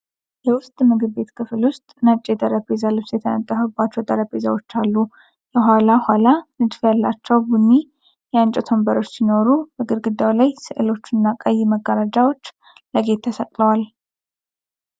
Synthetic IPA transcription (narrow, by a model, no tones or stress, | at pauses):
jɛwʊst̪ʼmɨɡɨbe̞t̪kʰɨflwʊst̪ʼnat͡ʃʼːed̪ʼəɾəbezalot͡ʃjɛt̪ʰənə̰t̪ʼːəfəbat͡ʃːɛwt̪ʼəɾəpezawo̞t͡ʃːalːu | jɛɦʷalahʷalanɨd̪fjalːat͡ʃːɛwbunːi | jɛant͡ʃʼɛt̪ʰo̞mbəɾo̞t͡ʃːsino̞ɾubəɡɨɾɡɨd̪ːawlajsɨʔɨlo̞t͡ʃːɨnːakʼajːiməɡːəɾad͡ʒawo̞t͡ʃː | ləɡe̞t̪ʰːəsək̪ʼləwal